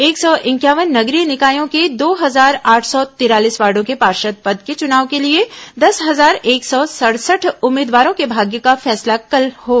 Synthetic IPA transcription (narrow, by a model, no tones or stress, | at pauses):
eːksɔʔɪ̃ŋkjaːʋənːɐɡɾinɪkaːjõked̪oːɦɐzaːɾaːʈʰsɔt̪ɪɾaːliːsʋaːɾɖõkepaːɾʃət̪̚pəd̪ket͡ʃʊnaːʋkelied̪ɐsɦɐzaːɾeːksɔsɐɽsəʈʰʊmːɪːd̪ʋaːɾõkebʱaːɡjəkafɛːslakəlɦoː